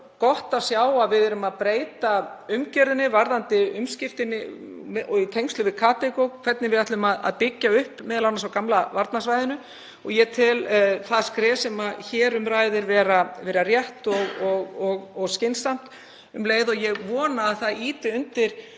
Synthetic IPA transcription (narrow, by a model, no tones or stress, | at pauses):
kɔht̪avsjaːwavɪðɛɾʏmaðpɾeːjt̪aʏmcɛɾðɪnɪvaɾðant̪ɪʏmscɪft̪ɪnːɪʔɔit̪ʰejŋkst̪lʏvɪðkʰaːt̪ekowkʰvɛt̪nɪvɪðat̪lʏmaða̰ðpɪcːaʏhpmɛðlawnasawkamlavaɾt̪nasvajðɪnʏ | ɔɣjɛt̪ʰɪlθaðskɾɛːsɛmaçɛːɾʏmɾaːjðɪɾvɛːɾavɛːɾarjɛht̪ɔɣɔɣɔɣɔɣscɪnsam̥t̪ | ʏmleːjðɔjɛɣvɔːnaːðθaiːt̪ɪʏnt̪ɪɾ̥